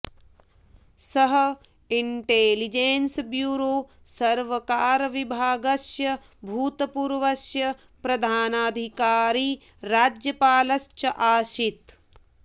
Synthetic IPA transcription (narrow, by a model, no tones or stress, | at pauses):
sɐɦɐ | iɳʈeːlid͡ʒeːnsbjuːɾoː | sɐɾʋɐkaːɾɐʋibʱaːɡɐsjɐ | bʱuːt̪ɐpuːɾʋɐsjɐ | pɾɐd̪ʱaːnaːd̪ʱikaːɾiː | ɾaːd͡ʒjɐpaːlɐst͡ʃɐʔaːʃit̪